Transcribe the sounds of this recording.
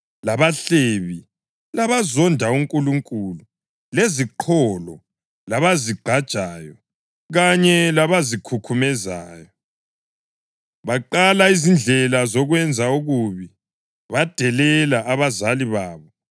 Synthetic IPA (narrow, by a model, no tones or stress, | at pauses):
laβaɬeβi | laβazɔndʱauŋkʼuluŋkʼulu | leziǃʰɔlɔ | laβaziɡ͡ǃʱad̥ʒ̥ʱaːjɔ | ɣaɲɛlaβazikʰukʰumɛzaːjɔ | βaǃalaizind͡ɮʱɛlazɔɣwɛnd͡zʱauɣuβi | βad̥ʱɛlɛlaʔːβazaliβaːβɔ